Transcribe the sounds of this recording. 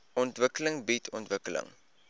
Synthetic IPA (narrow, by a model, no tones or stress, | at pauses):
ɔntvəkələŋbitʰɔntvəkələ̰ŋ